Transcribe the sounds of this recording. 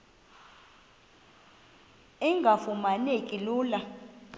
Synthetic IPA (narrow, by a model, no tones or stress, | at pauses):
iŋɡʱafumanekʼiluːla